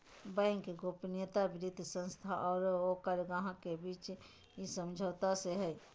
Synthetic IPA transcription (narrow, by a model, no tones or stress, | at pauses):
bə̃ɪŋkɡoːpnɪjət̪abɪɾɪd̪ʱsə̃nst̪ʰaʔɔːɾokəɾɡaɦãkebiːt͡ʃ | isəmd͡ʒʱəːt̪aseɦɛ